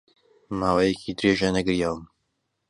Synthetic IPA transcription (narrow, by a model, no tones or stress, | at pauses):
maːwɛjɛkʰiːd̪ɨɾeːʒanɐɡɨɾjaːwəm